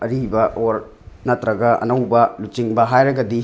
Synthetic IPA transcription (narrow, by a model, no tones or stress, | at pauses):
ɐɾibɐʔoɾ | nɐtɾɐɡɐʔɐ̰nɐwbɐlut͡ʃiŋbɐɦajɾɐɡɐdi